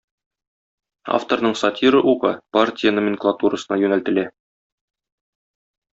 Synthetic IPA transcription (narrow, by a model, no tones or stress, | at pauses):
a̰ft̪ornɤɴsɐtʲiɾɤʔuqɤpartʲɪjənomʲɪnklˠat̪uɾəsɤ̆nɑjʉnælt̪ɘ̆læ